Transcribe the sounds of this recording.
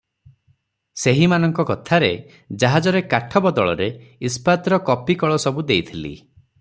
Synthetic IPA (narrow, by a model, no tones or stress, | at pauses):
seɦimanɔŋkɔkɔt̪ʰaɾe | d͡ʒaɦad͡ʒɔɾekaʈʰɔbɔd̪ɔɭɔ̰ɾeispat̪ɾɔkɔpikɔɭɔsɔbud̪ejt̪ʰilḭ